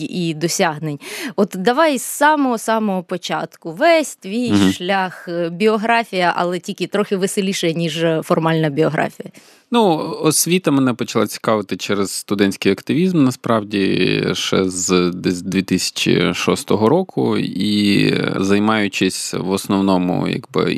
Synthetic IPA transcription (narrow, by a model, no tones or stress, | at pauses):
id̪ɔsʲaɦnenʲɔt̪d̪ɐʋɑjsɑmɔɦɔsɑmɔɦɔpɔt͡ʃɑ̰t̪kʊʋɛsʲt̪ʲʋʲijʃlʲaxbʲiɔɦɾɑfʲijɐʔɐ̰lˠɛtʲilʲkɪt̪ɾɔxɪʋɪsɪlʲiʃɛjɐnʲiʒfɔrmɑlʲnɐbʲiɔɦɾʔɑ̰fʲijɐ | nuɔsʲʋʲit̪ɐmɛnɛpɔt͡ʃɐlˠat͡sʲi̥kɑʋɪt̪ɪt͡ʃɛɾez̥st̪ʊd̪ɛnʲsʲkɪjɐkt̪ɪʋʲizmnɐspɾɑwdʲḭʃɛ̰zd̪d̪ʋʲit̪ɪsʲɐ̥t͡ʃɪ̰ʃɔst̪ɔɦɔɾɔkʰʊ̰i | zɐjmɑjʊt͡ʃɪsʲʋɔsnɔwnɔmʊ̰jɐ̰ɡbɪ̰